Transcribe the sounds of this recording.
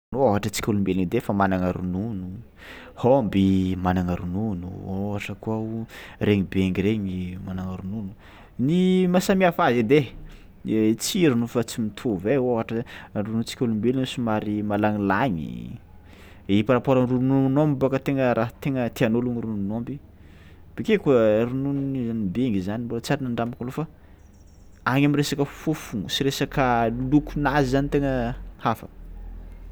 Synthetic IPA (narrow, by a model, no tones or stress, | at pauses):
noaɦaʈ͡ʂət͡si̥kʲulumbelinid̪efamanaŋaɾununu | hombimanaŋaɾununṵoɦaʈ͡ʂəkuauɾeɲibeŋiɾeɲimanaŋaɾununu | nimasamiafazid̪e | t͡siɾunufat͡simit̪ʰuveoaɦaʈ͡ʂəɾununt͡si̥kʲulumbelinusumaɾimalaŋilaɲḭ | ipaɾapoɾanruununombibokət̪eŋəɾʔaɦt̪eŋət̪eanoluŋiɾununombi | b̥ekekaɾununianibeŋizanimbolət͡saɾanaɳɖ͡ʐamakalofa | aŋamiɾesakəfufuŋusiɾesakəlukunazizanit̪eŋəhafə̰